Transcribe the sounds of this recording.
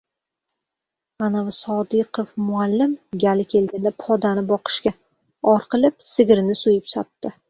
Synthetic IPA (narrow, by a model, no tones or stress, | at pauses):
anavɪsɒd̪ɪqofmʊalːɪmɡʲalɪkʲʰe̞lɡʲand̪apʰɒd̪anɪbɒqʰɨ̥ʃkʲa | ɒɾqʰɨlɪp̚sɪɡʲɾɪnɪsʊjɪpsɒ̰t̪ːɪ